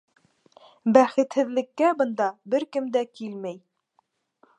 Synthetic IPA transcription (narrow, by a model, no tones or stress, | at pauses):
bæχɘ̆t̪hɘ̆ðlɘ̆kːæbɤ̆nd̪ɑbɘɾkɘmd̪ækilmæj